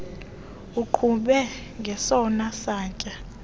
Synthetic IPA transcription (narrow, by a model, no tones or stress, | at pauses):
uǃʰuɓɛ | ŋɡʱɛsɔnasaːcʼa